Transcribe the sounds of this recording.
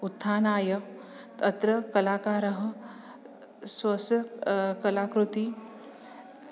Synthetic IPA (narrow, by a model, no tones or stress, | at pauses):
ut̪ʰːaːnaːjɐk | t̪ɐt̪ɾɐkɐlaːkaːɾɐɦɐ̆ | swɐsɐkɐlaːkɾut̪i